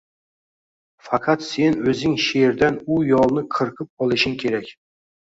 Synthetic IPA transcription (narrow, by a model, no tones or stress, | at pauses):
fɑqʰɑt̪se̞nɵzɪŋʃeɾd̪anʊjɒlˠnɪqʰɨɾqʰɨp̚ɒlˠɪʃɪŋkʲʰe̞ɾakʲ